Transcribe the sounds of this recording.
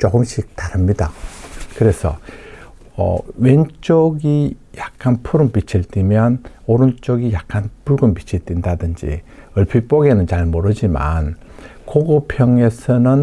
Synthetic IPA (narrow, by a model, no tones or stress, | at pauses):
t͡ɕ͈oɡɯmɕ͈ʰik̚taɾɯmɲidakɯɾe̞sʰʌ̰ | ʌ̰we̞nt͡ɕ͈oɡijak̚k͈anpʰuɾɯnpit͡ɕʰiɭt͈imjʌnoɾunt͡ɕ͈oɡijak̚k͈anpuɭɡɯmpit͡ɕʰiɭt͈indadɯnd͡ʑḭʌɭpʰip͈oɡe̞nɯnt͡ɕaɭmoɾɯd͡ʑima̰n | koɡopʰjʌŋe̞sʰʌnɯn